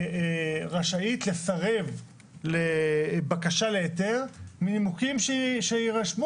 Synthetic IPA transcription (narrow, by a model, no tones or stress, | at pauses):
ʁaʃait̪le̞saʁe̞v | lebakaʃaleet̪eʁmiːmukimʃeʃeiʁaʃmu